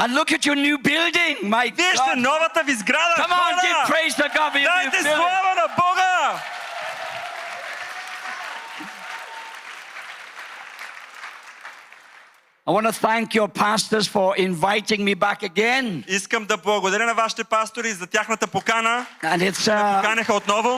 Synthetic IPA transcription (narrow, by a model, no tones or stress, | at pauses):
ə̃nlʊkət͡ʃə˞njʉːbɪlˠdɪ̃ŋmaɪviɛʃt̪ɛnɔvət̪əvizɡɾad̪əkʌ̃mãɛpʰɹeɪzəɡɔdfəjat̪ɛslˠavɐnɐbɔɡə | aɪwɑ̃nəθæ̃ŋkjə˞pʰastəz̥fə˞ʔɪ̃ɱvaɪtɪ̃ŋmibakəɡɛ̃niskəmd̪ɐblˠɐɡod̪ɐɾənɐvaʃi̥t̪ɛpast̪oɾizɐt̪ʲjaxnɐt̪əpokanəə̃nɪtskanɛxəot̪nɔvo